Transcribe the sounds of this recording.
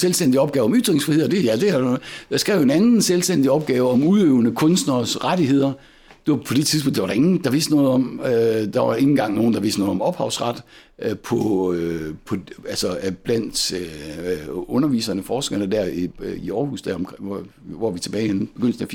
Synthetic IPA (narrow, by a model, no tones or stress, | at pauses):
selsd̥en̰d̥iɒ̽b̥ɡ̥ɛːʊɒ̽myd̥ʁeŋsfʁihe̝ð̰ˠd̥e̝jæd̥e̝æd̥ɑ̈sɡ̥ʁɛ̰ʊe̝nænn̩selsd̥en̰d̥iɒ̽b̥̚ɡ̥ɛːʊəɒ̽muðˠøʊnəkʰɔ̽nsd̥nɐsʁadihe̝ð̞̰ˠɐ | d̥e̝pʰɒ̽d̥e̥t͡sʰiðˠp̬ʰɔ̽n̰d̥ʋɑ̈ɾɑe̝ŋn̩d̥ɑ̈ʋe̝ːsd̥ənɔ̽ːðˠɒ̽mød̥ɑ̈ʋɑ̈e̝ŋn̩ɡ̥ɑ̈ŋ̰no̝ːn̩d̥ɑ̈ʋe̝sd̥ənɔ̽ːðˠɒ̽mɒ̽b̥hɑ̈ʊsʁɑ̈d̥ | pʰɒ̽ | pʰɒ̽ælsɒb̥læn̰d̥ø | ɔ̽nɐʋḭːsɐnəfɒːsɡ̥ɐnəd̥æɐ̰iiɒːhṵːsd̥æɐɒmkʰ | ʋɒʋit͡sʰe̝b̥ɛːɪhenb̥eɡ̥øn̰d̥d̥eæf